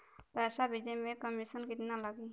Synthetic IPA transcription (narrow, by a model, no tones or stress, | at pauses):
pɛsabʱid͡ʒmẽkəmisənkit̪inalaɡi